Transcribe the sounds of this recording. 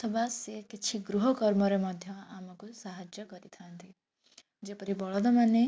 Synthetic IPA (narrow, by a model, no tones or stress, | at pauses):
t̪ʰɔʋasekɪt͡ʃʰiɡɾuɦɔkɔɾmɔɾemɔd̪ʱjɔaːmɔkusaɦəd͡ʒjəkɔɾit̪ʰant̪ʰi | d͡ʒepəɾibɔɭɔd̪ɔmane